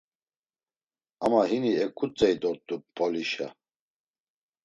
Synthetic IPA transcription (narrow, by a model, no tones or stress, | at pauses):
amaɦiniɛkʼut͡sʼɛjd̪ɔɾt̪ʼupʰʼɔliʃa̰